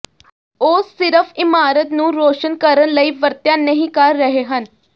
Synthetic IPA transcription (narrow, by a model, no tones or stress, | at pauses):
oːsːɪɾəfʰɪmaːɾət̪nũːɾoːʃənkəɾənləiːʋəɾt̪jãːnəɦĩːkəɾːəɦeɦən